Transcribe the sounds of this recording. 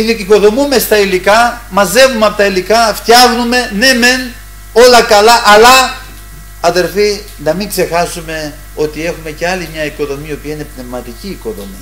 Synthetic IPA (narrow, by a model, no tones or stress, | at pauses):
iθeciko̞ðo̞mume̞st̪ɐilikɐmɐze̞vumeɐpo̞t̪ɐilikɐft̪çɐxnume̞ne̞me̞n | o̞lɐkɐlɐʔɐlɐ | ɐðe̞lfi | nɐmiŋɡse̞xɐsume̞ | o̞t̪ie̞xume̞ce̞ɐlimɲɐiko̞ðo̞mio̞piɐine̞pne̞vmɐt̪iciːko̞ðo̞̰mḭ